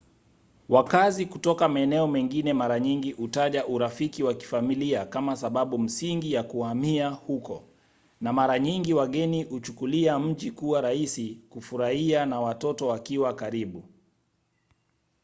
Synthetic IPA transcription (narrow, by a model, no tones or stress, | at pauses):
wakazikutɔkamaɛnɛɔmɛŋɡinɛmaɾaɲiŋɡiʔutaʄaʔuɾafikiwaki̥familiakamasaɓaɓum̩siŋɡijakuhamiahukɔ | namaɾaɲiŋɡiwaɠɛnihut͡ʃukuliam̩ʄikuwaɾaisikufuɾahianawatɔtɔwakiwakaɾiɓu